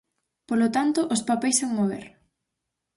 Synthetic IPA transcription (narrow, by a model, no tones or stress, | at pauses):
polot̪ant̪ʊʔospapejsaŋmoβḛɾ